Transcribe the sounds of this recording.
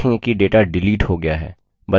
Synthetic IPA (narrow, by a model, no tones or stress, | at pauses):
ẽkiɖeːʈaɖɪliːʈhoɡɐjaɦɛ̰ː | bɐ